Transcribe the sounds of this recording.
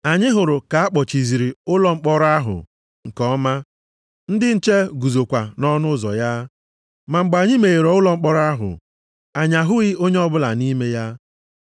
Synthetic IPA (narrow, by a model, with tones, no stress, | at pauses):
a˨ɲɪ˦ɦʊ˨ɾʊ˨ka˨a˦k͡pɔ˨t͡ʃi˨zi˨ɾi˨ʊ˦lɔ˦ŋ͡m̩˦k͡pɔ˦ɾa˦ɦʊ̰˨ | ŋ̩˨kɔ˦ma˦ | n̩˦dɪ˦n̩˦t͡ʃe˦ɡu˨zo˨kʷa˨nɔ˦nʊ˦zɔ̰˨ja˦ | ma˨ŋ͡m̩˨ɡ͡ba˨ɲɪ˦me˨ɣe˨ɾɔ˨ʊ˦lɔ˦ŋ͡m̩˦k͡pɔ˦ɾa˦ɦʊ̰˨ | a˨ɲa˨ɦʊ˦ɣɪ˦o˦ɲe˦ɔ˦bʊ˦la̰˨ni˦me˦ja˦